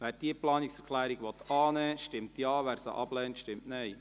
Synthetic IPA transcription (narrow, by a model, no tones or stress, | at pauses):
ʋæːɾd̥iəplɑːniksɛɾkʰlɛːɾiɡʋɔt̪ɑːnɛːʃtɪmtjɑːʋæːɾsə̰ʔɑblɛːntʃtɪmtnɛj